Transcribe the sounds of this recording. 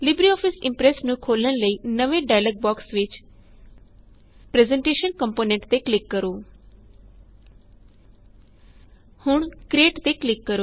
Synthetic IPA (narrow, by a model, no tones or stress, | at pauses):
lɪbɾiɔːfʰɪsɪ̃mpɾesnũkʰoːləɽ̃ləiːnəʋẽɖaːjləɡ̚bɔːksʋɪt͡ʃ | pɾezẽɳʈeːʃənkəmpoːnẽɳʈt̪eklɪkːəɾoː | hʊɳ̃kɾeːʈt̪eklɪkːəɾo